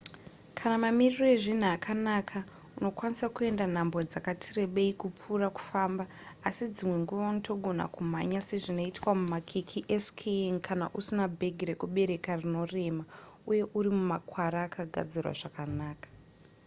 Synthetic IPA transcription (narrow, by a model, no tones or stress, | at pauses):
kʰanamamiriro̞eʐin̤uakʰanakʰa | uno̞kwanisakue̞ndan̤ambod͡zakatʰire̞ɓeikup͡furaku̥faːmbaː | sid͡zimwe̞ŋɡuʋaunotʰo̞ɡʱo̞na̰kumaɲase̞ʐino̞itwamumakʰikʰiʔeskʰeŋkʰanaʔusinabʱe̞ɡʱiɾekuɓe̞ɾe̞karino̞re̞ma | uje̞ʔuɾimumakwaɾaːkaɡʱa̰d͡zirwa̰ʐakanaːkḁ